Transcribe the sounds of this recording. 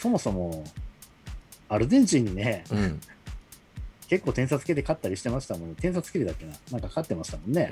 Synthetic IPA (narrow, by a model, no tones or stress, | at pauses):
so̞mo̞so̞mo̞ | aɾɯ̟d̪ẽ̞ɲd͡ʑiɲ̟ːine̞ | ke̞kːo̞ːt̪ẽs̬at͡sɨ̥ke̞t̪̬e̞kat̪ːaɾʲiɕi̥t̪e̞maɕi̥t̪amõ̞nːt̪ẽ̞ɰ̃s̬at͡sɨ̥ket̪ed̪akʲːenanãŋkakat̪ːe̞maɕi̥t̪amõ̞nːe̞